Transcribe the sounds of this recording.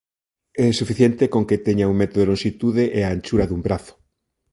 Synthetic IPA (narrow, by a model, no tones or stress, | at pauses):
ɛsufiθjent̪ekoŋket̪eɲauŋmet̪oðelonʃit̪uðeʔeaenʲt͡ʃuɾaðumbɾaθo̥